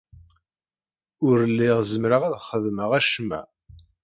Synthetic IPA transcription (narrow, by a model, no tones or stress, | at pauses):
ʊɾəlːɪʁzəmɾaʁæðχəðməʁæʃmæ̰